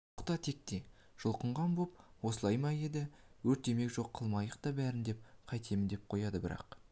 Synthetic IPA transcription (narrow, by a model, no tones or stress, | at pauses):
oqt̪ɑt̪ʰe̞k̚t̪e̞ | ʒ̥ʊlˠqəɴʁɑnbopwo̞səlˠɑjmɑje̞d̪ɪwɵɾt̪ːe̞me̞kʲʒo̞qʰːəlˠmɑjəqt̪ɑbæɾɪnd̪e̞p̚qʰɑjt̪ʰe̞mɪnd̪e̞p̚qʰo̞jɑd̪əbɪɾɑ̰q